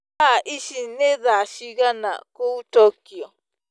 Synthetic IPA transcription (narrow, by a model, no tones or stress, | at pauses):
aʔiʃinẽðaʃiɣanã̰kut̪okio